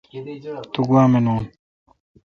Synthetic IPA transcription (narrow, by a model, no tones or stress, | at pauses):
t̪uɡuwaːmenoːn